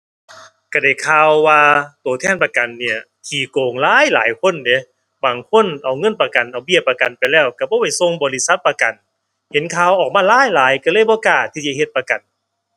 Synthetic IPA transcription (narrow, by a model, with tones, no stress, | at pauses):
ka˧˩da˧˩jkʰaː˧wːaː˧t̪oː˨˩t̪ʰɛː˧˥˩npa˧ka˨nːi˧˩ɐ | kʰiː˨˩koː˨˩ŋlaː˧˥˨jla̰ː˨˦jkʰo˧˥˨nde˨˧˦ | baː˨˩ŋkʰo˧˥˨nʔa˨˩wŋɤ˧˥˨npa˧ka˨nʔa˨˩wbi˧˩əpːaː˧ka˨˩npa˨jlɛː˧˩wka˧˩bɔː˧˦pa˧˩jso˧˨ŋbɔː˨˦li˧sa˧˥t̪̚pːa˧ka˨˩n | he˨˦nkʰaː˧˩wʔɔː˨˩k̚maː˧˥˨laː˧˥˨jlaː˨˦jka˧˩lɤː˧˥˨jbɔː˧˦kaː˧˩t̪ʰiː˧˩t͡ɕa˧he˧t̪̚pa˧ka˨˩n